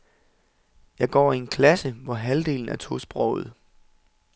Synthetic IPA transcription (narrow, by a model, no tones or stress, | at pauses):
jɑ̈ɪɡ̥ɒ̰ːie̝nkʰlæsəʋɒɦæld̥e̝̰ːln̩æɐt͡sʰo̝sb̥ʁɒʊð̞̩ˠ